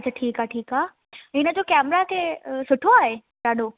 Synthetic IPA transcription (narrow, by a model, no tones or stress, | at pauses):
t͡ɕəʈʰiːkaːʈʰiːkaː | ɪnə̆d͡ʑoːkɛːmɾakʰeːsʊʈʰoaːɦe | ɗaːɗo